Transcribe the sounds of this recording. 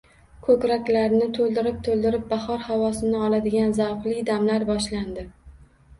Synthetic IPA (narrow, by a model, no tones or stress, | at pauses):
kʰɵkʲɾakʲlaɾnɪt̪ʰolˠd̪ɪɾɪp̚t̪ʰolˠd̪ɪɾɪp̚bahɒɾhavɒsɪnɪɒlad̪ɪɡʲanzawqlid̪amlaɾbɒʃland̪ɪ